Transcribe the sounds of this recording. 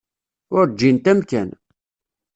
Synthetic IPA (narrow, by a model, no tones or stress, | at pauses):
ʊɾd͡ʒːint̪æmkæ̰n